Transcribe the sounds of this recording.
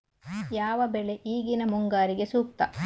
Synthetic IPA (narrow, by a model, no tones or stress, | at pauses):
jaːʋɐbeɭe̞ʔiːɡinɐmuŋɡaːɾiɡe̞suːk̚t̪ɐ